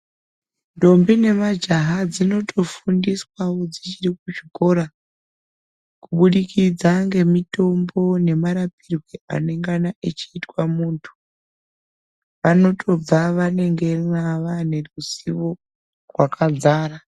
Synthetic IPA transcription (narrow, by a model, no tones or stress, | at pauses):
ndo̞mbine̞mad͡ʒaɦad͡zino̞tʰo̞fundiswawo̞d͡zit͡ʃirikuʐiko̞ːɾa | kuɓuɗikid͡zaŋɡe̞mito̞mbo̞ne̞maɾapirweʔa̰ne̞ŋɡanaʔet͡ʃiːtwamuːntʰu̥ | ʋano̞tʰo̞b͡vaʋane̞ŋɡe̞naʋane̞rusiʋo̞ | rwakʰad͡zaːɾa